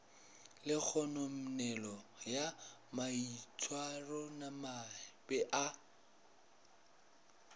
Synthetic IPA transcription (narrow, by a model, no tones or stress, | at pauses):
lɪk͡xʰɔnom̩nɛlɔja | mait͡sʰʼwarɔnamabɛʔa